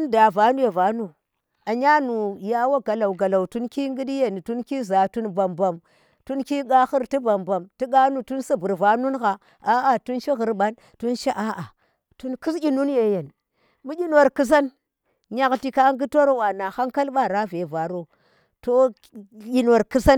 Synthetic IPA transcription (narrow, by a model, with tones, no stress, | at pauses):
u˦nda˨va˨˦nu˦je˨va˨nu˦˨ | a˨ɲa˦nu˨ja˦wa˦ɡa˨la˨wɡa˨la˨wtu˦nki˦ŋɡi˦di˦je˨ni˨tu˦nki˦za˨tu˦nba˨mba˨m | tu˦nki˦ɡa˦xi˦ɾti˦ba˨mba˨mti˦ɡa˦nu˨tu˦nsa˦bu˨ɾva˨˦nu˦nɣa˨ | a˦a˨tu˦nt͡ʃi˦ɣi˨ɾɓa˦n | tu˦nt͡ʃe˦ʔa˦ʔa˨ | tu˦nki˦sʲi˦nu˦nje˨je˨n˨ | mu˦ɗʲi˦nwo˨ɾki˦s̬a˦n | ɲa˨kɬi˨˦ka˦ŋɡi˦to˦ɾwa˨na˨xa˦ŋka˦lɓa˦ɾa˦ve˨va˨ɾo˦ | to˦ | i˦nwo˨ɾki˦sa˦n